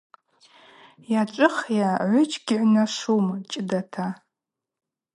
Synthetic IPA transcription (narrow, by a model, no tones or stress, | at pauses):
jaʈ͡ʂʷʼɨχjaʕʷʊt͡ʃʰʼɡʲɪʕʷnaʂumt͡ʃʼdatʰa